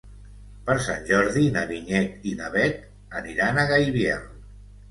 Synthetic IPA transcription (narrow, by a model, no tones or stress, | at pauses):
pəɾsa̰nʲʒɔɾðinəβiɲɛt̪inəβɛt̪̚ | əniɾanəɣajβja